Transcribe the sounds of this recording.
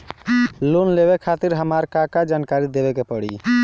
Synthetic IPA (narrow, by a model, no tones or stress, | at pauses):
lonleβekʰat̪iɾɦəmaɾkakad͡ʒankaɾid̪ebekepəɽḭ